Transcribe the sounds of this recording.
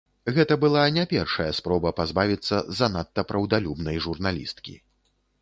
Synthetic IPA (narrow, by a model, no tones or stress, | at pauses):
ɣɛt̪ɐbɨlˠanʲapʲɛrʂɐjɐspɾɔbɐpazbavʲit̪sːɐzɐnat̪ːɐpɾɐwd̪alʲubnɐjʐurnalʲḭst̪kʲḭ